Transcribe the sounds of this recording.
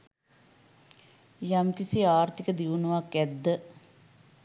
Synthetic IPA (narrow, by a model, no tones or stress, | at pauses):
jamkisiaːɾt̪ikəd̪iʋunuʋakːɛd̪ːə